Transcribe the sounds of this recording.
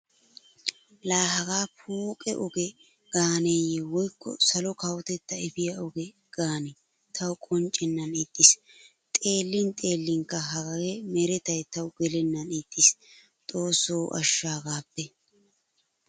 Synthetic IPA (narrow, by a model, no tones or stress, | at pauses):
laːɦɐɡaːpʰuːkʼɛʔɔɡɛ | ɡ̥aːneːjɛwɔjkːɔ̰sɐlɔkɐwt̪ɛt̪ːɐɪfɪjɐɔɡɛ | ɡ̥aːnɛ | t̪ʰɐwkʼɔnt͡ʃʼːɛnːɐnɪt̪ʼːɪs | t̪ʼe̞ːlːɪnt̪ʼe̞ːlːɪŋkːɐɦɐɡɐɡɛmɛɾɛt̪ɐjt̪ɐwʊɡɛlɛnːɐnɪt̪ːɪs | t̪ʼo̞ːsːoːʔɐ̰ʃːaːɡaːpːɛ